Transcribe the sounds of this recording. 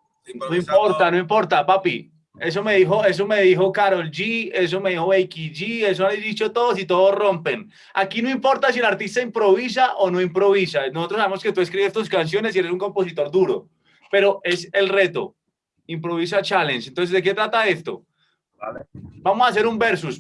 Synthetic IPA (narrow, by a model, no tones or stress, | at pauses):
noimpoɾt̪anoimpo̞ɾt̪apapi | e̞s̬o̞me̞ðixo̞e̞s̬ome̞ðixo̞kaɾold͡ʒie̞s̬omeðixoβejkid͡ʒies̬oazd̪it͡ʃot̪o̞ðos̬it̪o̞ðosrompen | a̰kinoimpo̞ɾt̪asielaɾt̪ist̪aimpɾo̞βis̬aʔonoimpɾoβisanosot̪ɾosːaβemo̞ske̞t̪ue̞skɾiβest̪oskans̬jo̞ne̞sieɾesuŋkompo̞s̬it̪o̞ɾd̪uɾo | pe̞ɾo̞ʔe̞se̞lre̞t̪o̞̰ | impɾo̞βis̬at͡ʃalensent̪ons̬ezd̪eke̞t̪ɾat̪ae̞st̪o̞̰ | bamosaːs̬e̞ɾumbeɾsus